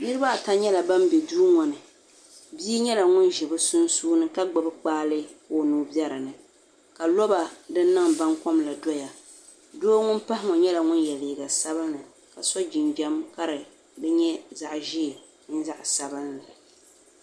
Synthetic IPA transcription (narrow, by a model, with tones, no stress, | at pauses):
nɨ˦ɾɨ˦ba˦ʔta˦ɲɛ˦la˨ba˦mbɛ˨duː˦ŋɔ˨nɨ˨ | biː˦ɲɛ˦la˨ŋʊ˦nʒɪ˨bɨ˦sʊ˦nsuː˦nɨ˦ka˦ɡ͡bɨ˨bɨ˦k͡paː˦lɨ˦ko˦nuː˦bjɛ˦ɾɨ˨nɨ˨ | ka˨lɔ˦ba˨dɨ˦nː˦ɨ˦ŋba˦ŋkɔ˦mla˨dɔ˦ja˨ | doː˦ŋʊ˦npa˦hɪ˦ŋɔ˨ɲɛ˦la˨ŋʊ˦njɛ˨li˨ɡa˨sa˦bɨ˦nːɨ˨ | ka˨sɔ˦d͡ʒɪ˨nbɛ˦mka˦ɾɨ˨ | dɨ˦ɲɛ˦za˨ʔʒi˦˨ | ɲɪ˦n˦za˦ʔsa˨bɨ˦nːɨ˨